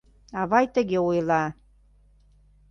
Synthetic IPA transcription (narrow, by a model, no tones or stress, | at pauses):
ɑβɑjt̪ə̆ɣeojlˠɑ